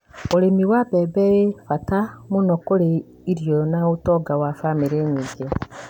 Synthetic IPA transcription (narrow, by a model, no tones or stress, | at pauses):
oɾemiwabɛbɛɾefatamonɔkoɾe | iɾjonaotɔɡawafamiɾeɲiːŋɡe